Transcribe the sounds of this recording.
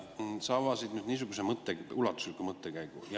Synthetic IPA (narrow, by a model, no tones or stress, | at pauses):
sɑvɑsid̪̥myd̪niːs̬uɡ̥us̬emɤt̪ˑːeulɑt̪ːˑu̥slikːˑumɤt̪ːˑekæjɡ̥uj